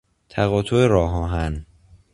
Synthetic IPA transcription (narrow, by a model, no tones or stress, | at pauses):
t̪ʰæɣɒːt̪ʰoeɾɒːɦɒːɦæn